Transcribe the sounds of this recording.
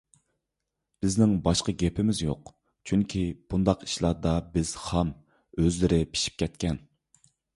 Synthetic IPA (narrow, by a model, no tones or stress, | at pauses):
b̥ɪznɪŋbɑʃqəɡʲɛpʰɪmɪzjo̰q | t͡ʃʰyŋkʲʰib̥und̪ɑqi̥ʃlˠɑːd̪ɑbɪz̥hɑm | øzlɪɾɪpʰi̥ʃi̥p̚kʲɛt̪̚kʲɛn